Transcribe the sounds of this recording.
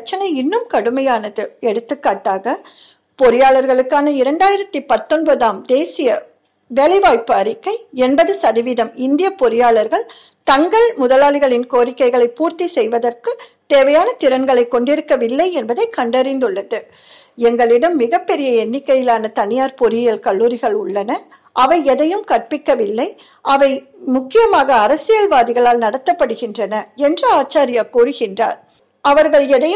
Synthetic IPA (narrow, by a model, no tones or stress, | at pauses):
t͡ʃːɐnɐɪɪnːɯmkɐɽɯmɐjaːnɐðɯɛɽɯt̪ːɯkːaːʈːaːɣɐ | pɔɾɪjaːɭɐɾɣɐɭɯkːaːnɐɪɾɐɳɖaːjɪɾɐt̪ːipɐt̪ːɔnbɐðaːmd̪eːsɪjɐ | ʋɛlɪʋaːɪpːɯɐɾɪkːɐɪɛnbɐðɯsɐðɪʋɪðɐmɪnd̪ɪjɐpɔɾɪjaːɭɐɾɣɐɭ | t̪ɐŋɡɐɭmʊðɐlaːɭɪɣɐɭɪnkoːɾɪkːɐɪɣɐɭɐɪpːuːɾt̪isɛjʋɐðɐrkɯt̪eːʋɐjaːnɐt̪ɪɾɐnɡɐɭɐɪkːɔɳɖɪɾɯkːɐʋɪlːɐɪɛnbɐðɐɪkɐɳɖɐɾɪnd̪ɯɭːɐðɯ | ɛŋɡɐɭɪɽɐmːɪɣɐpːɛɾɪjɐɛnːɪkːɐjɪlaːnɐt̪ɐnɪjaːɾpɔɾɪjɐlkɐɭːuːɾɪɣɐɭʊɭːɐnɐ | ʔɐʋɐɪɛðɐjɯmkɐʈ̚pɪkːɐʋɪlːɐɪ | ʔɐʋɐɪ | mʊkːɪjɐmaːɣɐːɾɐsɪjɐlʋaːðɪɣɐɭaːlnɐɽɐt̪ːɐpːɐɽɯɣɪndrɐnɐɛndrɯaːt͡ʃːaːɾɪjaːkuːrɯɣɪndra̰ːɾ | ɐʋɐɾɣɐɭɛðɐj